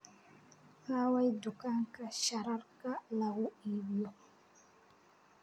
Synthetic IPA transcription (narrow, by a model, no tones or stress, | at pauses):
hawajdukaŋkaʃaɾaɾkalaɡuiwijɔ